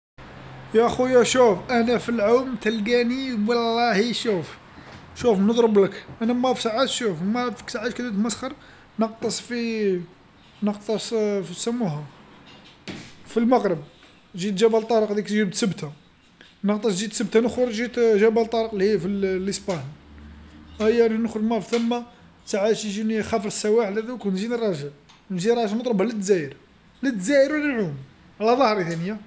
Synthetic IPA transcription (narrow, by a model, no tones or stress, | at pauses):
jæʔxujæʃufʔænæfilʕomt̪ælɡæniwɑlːɑhiʃuf | ʃufnəd̪ˤɾəbləkʔænæmæfsaʕat̪ʃufmæfiksaʕat̪kæd̪æt̪məsxɑɾˤ | nəq̚t̪ˤəsˤfi | nəqt̪ˤəsˤfisəmːuɦæ | filmɑqɾəb̚ | ʒit̪ʒæbælt̪ˤɑɾˤəqd̪ikt̪ʒibt̪səbt̪ʰa | nəqt̪ˤɑt̪ʒit̪səbt̪anəxɾɾʒit̪ʒæbælt̪ˤːɑɾəqlihifilːəspæn | ʔæjːæninəxɾʒmɑˤft̪əmːa | saʕaʃʒinixæfɾəsːæwæħlæd̪ukunʒinrˤːɑʒəl | nʒiɾˤɑʒəlnət̪ˤɾobhælət̪ːzæjəɾ | lət̪ːzæjəɾwləlʕum | ʕlæðˤɑhɾˤt̪ænəja